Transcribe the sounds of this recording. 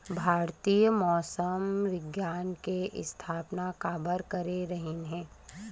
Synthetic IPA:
bʱaːɾt̪iːjəmɔːsəmʋɪɡjaːnkeʔɪ̰st̪ʰaːpnakaːbəɾkɐɾeɾɐɦenɦɛ̃ː

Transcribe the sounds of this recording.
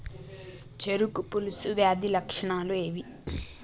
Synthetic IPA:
t͡ʃeɾukupulusuʋjaːd̪ilɐkʂɐɳaːlueːʋi

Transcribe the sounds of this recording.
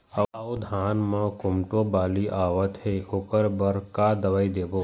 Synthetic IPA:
ɐod̪ʱaːnmãkʊmʈobaːliʔaːʋət̪ɦeoːkəɾbɐɾkad̪ɐʋaːid̪eːboː

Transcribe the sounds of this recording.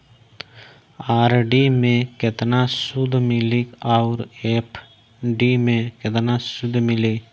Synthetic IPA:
aːɾɖimẽket̪nasʊd̪ʱmɪlikaʊɾeːpʰ | ɖimẽket̪nasʊd̪ʱmɪle

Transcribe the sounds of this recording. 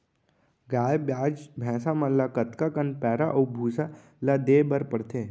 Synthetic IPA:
ɡaːjbjaːd͡ʒbʱɛ̃ːsamalakət̪kakənpɛːɾaʔɐbʱuːsa | lad̪eːbəɾpəɽt̪ʰeː

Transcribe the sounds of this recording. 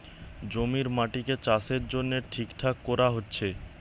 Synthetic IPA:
d͡ʑomiɾmaʈiket͡ɕaseɾd͡ʑonːeʈʰikʈʰakːɔɾaɦotːɕʰe

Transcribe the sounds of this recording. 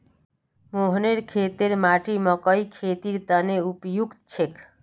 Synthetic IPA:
moɦneɾkʰet̪eɾmaʈiməkəikʰet̪iɾt̪əneupjukt̪t͡ʃʰek

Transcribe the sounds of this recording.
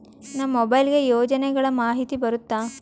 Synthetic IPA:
nɐmːɔbɐjlɡe̞joːd͡ʒɐnɛɡɐɭɐmaːɦit̪ibɐɾut̪ːaː

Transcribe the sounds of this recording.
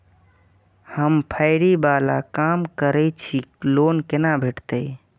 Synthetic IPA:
həmpʰaɪɾibala̰kamkəɾɛt͡ʃʰilonkenabʱeʈt̪əj

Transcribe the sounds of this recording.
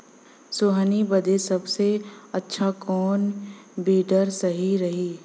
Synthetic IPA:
soɦənibəd̪esɐbseɐtːʃʰakɔːnbiːɖəɾsɐɦiɾɐɦiː

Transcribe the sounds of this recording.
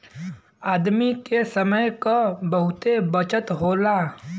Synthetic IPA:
aːd̪mikesəməjkabəɦʊt̪ebət͡ʃət̪ɦoːlaː

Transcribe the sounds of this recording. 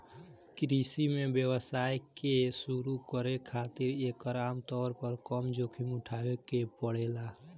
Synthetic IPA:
kɾisimebjəwəsajkesuɾukəɾekʰat̪iɾekəɾamt̪ɔːɾpəɾkəmd͡ʒokʰimuʈʰabekepəɽela

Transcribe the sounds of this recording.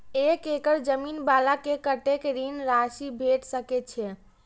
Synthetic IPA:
ekekəɾd͡ʒəminbalakekəʈekɾinɾasibʱeʈsəkɛt̪t͡ʃʰɛ

